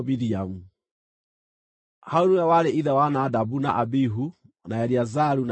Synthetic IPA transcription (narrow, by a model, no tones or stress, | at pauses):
miɾiamu | haoɾuawaɾeʔiðɛwanadabuna̰ʔabiɦu | najaɾiazaɾun